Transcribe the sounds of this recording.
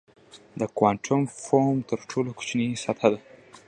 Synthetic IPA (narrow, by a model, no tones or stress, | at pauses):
d̪əkwaɳʈʰʊmfomt̪əɾʈʰoloku̥t͡ʃnisat̪ʰad̪a